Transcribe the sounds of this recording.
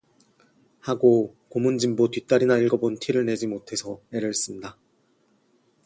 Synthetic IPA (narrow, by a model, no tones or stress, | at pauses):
haɡo | komund͡ʑimbotɥit͈aɾinaiɭɡʌbontʰiɾɯɭne̞d͡ʑimotʰe̞sʰʌeɾɯɭs͈ɯmɲida